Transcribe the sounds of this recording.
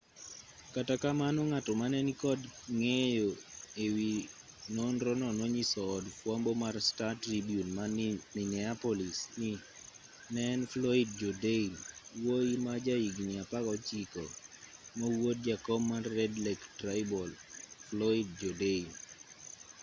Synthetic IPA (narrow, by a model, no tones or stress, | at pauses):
katakamanoŋatɔmanɛnikɔdŋejoewi | nɔnɾɔnɔnoɲisɔːdfwambomarstatɾibjunmaminɛapɔlisni | nɛnflɔid̚d͡ʒɔdenwoimad͡ʒaiɡniapakɔt͡ʃikɔ̰mawot̚d͡ʒakɔmːarːɛdlɛktrajbɔlflɔid̚d͡ʒɔdein